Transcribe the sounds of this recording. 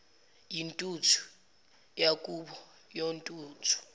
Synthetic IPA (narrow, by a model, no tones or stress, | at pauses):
jintʼutʰu̥ | jakʼuɓɔ | jontʼuːtʰu̥